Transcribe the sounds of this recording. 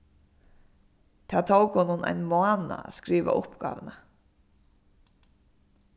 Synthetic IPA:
t̪ʰaːt̪ʰowkhonʊnajnmʊaːnaaskɾiːʋa̰ʔʊhpɡa̰ːʋna

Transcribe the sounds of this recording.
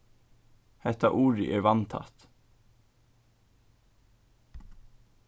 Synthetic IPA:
hɛht̪ːaʔuːɾɪʔɛɾvɑnt̪ʰɑ̰t̪

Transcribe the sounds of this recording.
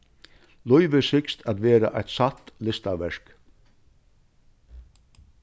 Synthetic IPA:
lɔʏʋəsɪkst̪ʰæt̪ʋeːɾa̰ʔajt̪sat̪lɪst̪aʋɛʂk

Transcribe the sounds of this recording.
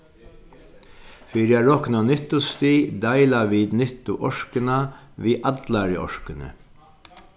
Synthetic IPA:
fiːɾɪaɾɔhknanɪt̪ʊst̪id̪ajlaʋiːd̪nɪht̪ʊʔɔʂkɪnaʋiːʔat̪laɾɪʔɔ̰ʂkɪnə̰

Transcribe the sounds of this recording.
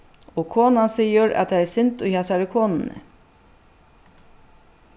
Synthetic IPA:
ɔkʰoːnansiːəɾæ̰t̪t̪ʰaɛsɪnt̪ʊjhɛsaɾɪkʰoːnɪnə̰

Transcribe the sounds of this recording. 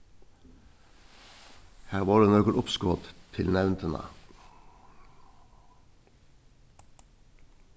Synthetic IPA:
hæːʁʋɑːʁd̪eːnɔkəlʔʊpskoːt̪t̪ʰɪlnɛʋnt̪ʰənɑ̰

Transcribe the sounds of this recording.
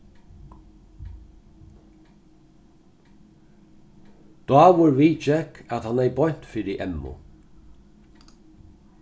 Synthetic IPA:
d̪̥ɑːwʊɹviːt͡ʃɛkʰæt̪hanɛjbɔɲ̥t̪fiːɾɪʔɛmːʊ̰

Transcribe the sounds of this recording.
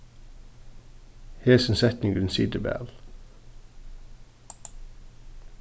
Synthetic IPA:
heːsənsɛt̪nɪŋɡɪnsḭːd̪əbæ̰ːl

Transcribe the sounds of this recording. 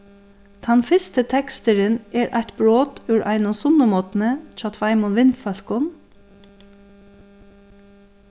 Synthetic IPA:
t̪ʰɑnfɪst̪ət̪ʰɛkst̪əɾənɛːɾʔa̰ɪt̪bɹoːt̪ʉːɾʔa̰ɪnʊsʊnəmɔːt̪nət͡ʃɑːt̪ʰʋaɪmʊnʋɪnfœl̥kʊn

